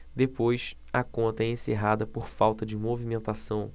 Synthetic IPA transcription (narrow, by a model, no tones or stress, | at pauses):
d̪epojs | ɐkõnt̪ɐɛẽseɦad̪ɐpoɾfawt̪ɐd͡ʒɪmovimẽnt̪asɐ̃w̃